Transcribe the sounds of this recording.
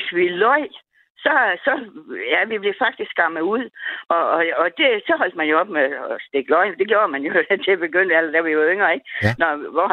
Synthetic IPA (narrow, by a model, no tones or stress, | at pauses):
sʋilɒɪ̰ | sɒ̽sɒ̽jæʋib̥le̝fɑ̈ɡ̥̚d̥isɡɡ̥ɑ̈məuð̰ˠɒ̽ːd̥e̝sɒ̽ɦɒ̽l̰d̥mænjo̝ɒ̽b̥mesd̥e̝ɡ̥əlɒɪnd̥e̝ɡ̥jo̝ːɐmænjo̝det͡sʰe̝b̥e̝ɡ̥øn̰d̥æl̰d̥æɐʋiʋøŋ̰ɐe̝ɡ̥nɒʋɒ